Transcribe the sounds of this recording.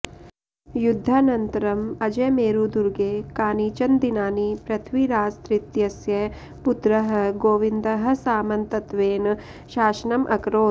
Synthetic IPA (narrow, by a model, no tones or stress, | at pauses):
jud̪ʱːaːnɐnt̪ɐɾɐmɐd͡ʒɐmeːɾud̪uɾɡeːkaːniːt͡ʃɐnd̪inaːnipɾɐt̪ʰʋiɾaːst̪ɾit̪jɐsjɐ | put̪ɾɐɦɐ̆ɡoːʋind̪ɐɦɐ̆saːmɐnt̪ɐt̪ʋeːn | ʃaːʃɐnɐmʔɐ̰kɾoː